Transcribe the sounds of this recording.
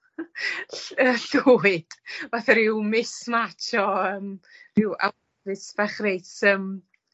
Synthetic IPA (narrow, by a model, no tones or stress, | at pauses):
əɬuɪd̥vaθɛɾɪwmɪsmatʰɔəːmrɪwʔa̰ | vɨsv̥aχrejtəm